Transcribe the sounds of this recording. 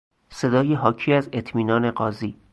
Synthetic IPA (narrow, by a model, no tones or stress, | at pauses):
se̞d̪ɒːjeɦɒːcʰiːæze̞t̪ʰmiːnɒːne̞ɢɒːziː